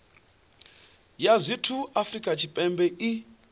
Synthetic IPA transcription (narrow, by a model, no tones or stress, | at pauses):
jazʷitʰuafrikʼat͡ʃʰipʼɛmbɛʔi